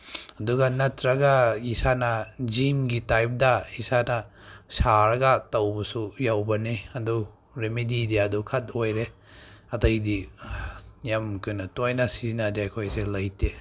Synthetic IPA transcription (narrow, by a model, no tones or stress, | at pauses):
ɐduɡɐnɐtɾɐɡɐisanɐd͡ʒimɡitajp̚dɐisanɐ | saɾɐɡɐtɐwbɐsujawbɐniɐdu | ɾemediːdijadukʰɐt̚ojɾe | ɐtɐjdi | jamkɯnɐtojnɐsizinadiɐjkʰojselɐjte